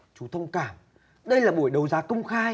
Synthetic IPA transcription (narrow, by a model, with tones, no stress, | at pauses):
t͡ɕu˨˦t̪ʰə˧wŋ͡mkaː˧˩m | ɗə˧jlaː˨˩ɓu˧˩əjɗə˨˦wzaː˨˦kə˧wŋ͡mxaː˧j